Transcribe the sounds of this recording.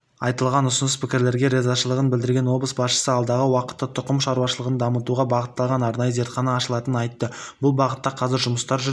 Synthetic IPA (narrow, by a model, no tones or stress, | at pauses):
ɑjt̪əlˠʁɑnʊsənəspʰɪkʲɪɾle̞ɾɡʲe̞ɾe̞zɑʃəlˠəʁənbɪld̪ɪɾɡʲe̞nwo̞blˠəsbɑsʃə̥səɑlˠd̪ɑʁəwɑqə̥t̪ːət̪ʰʊqəmʃɑɾuɑʃəlˠəʁənd̪ɑmət̪uʁɑbɑʁət̪ːɑlˠʁɑnɑɾnɑjəze̞ɾt̪χɑnɑːʃəlˠɑt̪ənənɑjt̪ːəbʊlˠbɑʁət̪ːɑqʰɑzɪɾʒʊməst̪ɑɾʒʏ